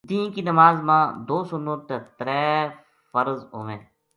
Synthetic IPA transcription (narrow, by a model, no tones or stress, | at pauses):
d̪iːnkinəmaːzmãːd̪oːsʊnət̪et̪ɾɛː | fəɾzo̰ːʋẽː